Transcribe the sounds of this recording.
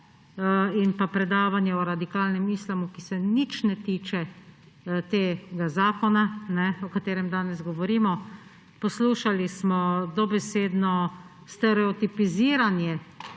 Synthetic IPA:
inpapɾɛd̪aːʋanjɛɔɾad̪ikaːlnɛmislamukisɛnit͡ʃnɛt̪iːt͡ʃɛ | t̪eːɡazaːkɔnanɛɔkat̪eːɾɛmd̪aːnɛzɡɔʋɔɾiːmɔ | pɔsluːʃalismɔd̪ɔbɛseːd̪nɔ | st̪ɛɾɛɔt̪ipiziːɾanjɛ

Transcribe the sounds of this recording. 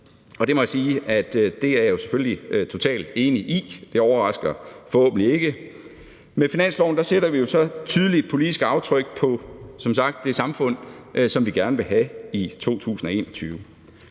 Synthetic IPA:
ɒ̽d̥e̝mɒ̽jæasiːæd̥d̥e̝æɐjo̝se̥føllit͡sʰo̝t͡sʰɛ̰ːld̥e̝ːniʔid̥e̝ɒʊɐʁɑ̈sɡ̥ɐfɒ̽ho̰ːb̥ən̩lie̝ɡ̥ə | mefinæn̰slɒʊ̰n̩d̥ɑ̈seɾ̥ɐʋijo̝sɒ̽t͡sʰyð̞ˠlid̥̚pʰo̝lid̥isɡ̥ɑ̈ʊt͡sʰʁœɡ̥̚pʰɒ̽sɒ̽msɑ̈ɡ̥̚d̥ːe̝sɑ̈mfɔ̽n̰ʔsɒ̽mʋiɡ̥æɐnəʋe̝ɦæit͡sʰo̝̰ːt͡sʰṵːsn̩ɒ̽e̝̰ːnɒt͡sʰyːʊ

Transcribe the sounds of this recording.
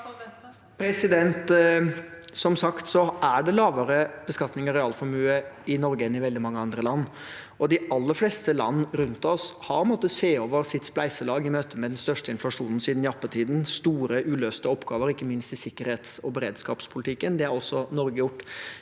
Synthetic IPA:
pʰɾɛsɪd̪ɛnt̪ | sɔmsɑkt̪sɔʔæɖɛlɑːʋəɾəb̥əskɑt̪nɪŋəɾɪɑːlfɔmʉːəɪnɔɾɡəɛnɪʋɛld̪ɪmɑŋːəɑnd̪ɾəlɑnː | ɔd̪ɪʔɑlːəɾflɛst̪əlɑ̰nːɾʉnt̪ɔshɑɾpʰɔənmɔt̪ːəseːoːʋəɾsɪt̪ːsplæɪsəlɑːɡɪmøːt̪ʰəmɛd̪ɛnst̪œʂʈəɪnflɑʂuːnn̩siːd̪n̩jɑpːət̪ʰiːd̪n̩st̪uːɾəʔʉːløːst̪əɔpːɡɑːʋəɾɪkːəmɪnst̪ɪsɪkːəɾheːt̪sɔbəɾeːd̪skɑ̰ːpspʰʊlɪt̪ʰɪkːənd̪ɛæɾɔsːɔnɔɾɡəjʊʈː

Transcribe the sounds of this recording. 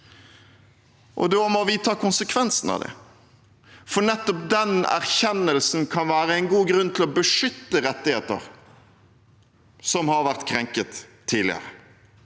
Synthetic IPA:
ʔɔ̰d̪oːmɔʋɪt̪ʰɑːkʰʊnsəkʰʋɛnsn̩ɑ̰ʋd̪ɛ̰ | fɔnɛt̪ːɔp̚d̪ɛnæ̰ɾçɛnːəlsn̩kʰɑnʋæːɾəæɪnɡuːɡɾʉnːt̪ʰɪlɔbəʂʏt̪ːəɾɛt̪ːɪheːt̪ə̰ɾ | sɔmhɑɾʋæʁt̪kʰɾɛŋkət̪ʰː | iːd̪lɪə̰ɾə

